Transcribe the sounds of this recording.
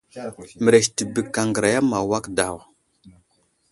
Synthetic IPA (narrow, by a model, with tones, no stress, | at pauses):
mə˨ɾe˨ʃti˨bi˨kːa˨ŋɡə˨ɾa˨ja˦ma˨wa˦kda˨w